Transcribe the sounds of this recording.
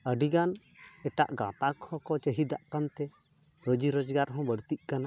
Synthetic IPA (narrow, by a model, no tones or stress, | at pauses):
əɖiɡan | ɛʈa̰ʔɡãt̪akʰhɔ̃kɔt͡ʃəɦid̪aʔkant̪ɛ | ɾod͡ʒiɾɔd͡ʒɡaɾɦɔ̃bəɽt̪iʔ̚kana